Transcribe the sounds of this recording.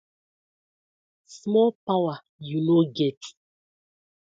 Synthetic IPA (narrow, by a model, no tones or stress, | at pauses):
smɔlpawa | junoɡɛt